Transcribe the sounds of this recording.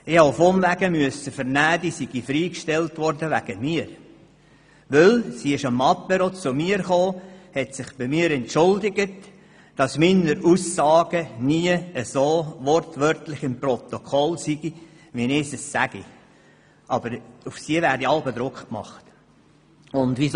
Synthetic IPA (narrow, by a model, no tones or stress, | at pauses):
ɪhɑwfɔmvæɡəmyəsəfəɾnæːd̪isiɡ̥ifɾiːkʃtɛltʋɔɾdəʋæ̰ɡ̥əmiːəɾ | ʋɵlsiɪʃɑmɑpːɛɾot͡sʊmiːɾχoːhɛtsɪχb̥ɪmiːɾɛntʃʊldɪɡət | d̥ɑsminəɾuːsːɑːɡəniəəsoːʋɔɾtʋøɾtlɪχɪmprɔt̪okʰɔlsiɡ̥i | ʋinɪsəsːæɡḭ | ʔɑb̥əɾʊfsiəʋæɾdiɑlbɛd̪ɾʊkχk̚mɑ̰χt | ʊnd̪ʋis